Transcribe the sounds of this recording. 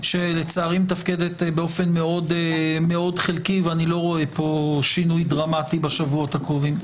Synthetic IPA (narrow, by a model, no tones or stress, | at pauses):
ʃe̞le̞t͡saːʁimt̪afked̪etbeo̞fenme̞o̞dme̞o̞dχelkiveanilo̞ʁo̞epo̞ʃinujdʁamatibaʃavuot̪hakʁovim